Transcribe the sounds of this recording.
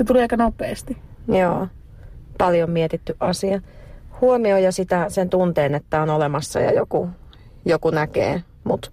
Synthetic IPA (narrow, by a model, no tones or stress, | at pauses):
set̪uleːɑikɑnopˑeːst̪ijoː | pɑljommiɛt̪it̪ːyʔʔɑsiɑhuomiojɑsit̪æsent̪unt̪eːnet̪ːæonolemɑsːɑ̰jɑ̰joku | jokunækḛː | mut̪